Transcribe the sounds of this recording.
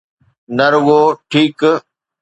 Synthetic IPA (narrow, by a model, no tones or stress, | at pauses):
nɐɾʊɡoːʈʰiːk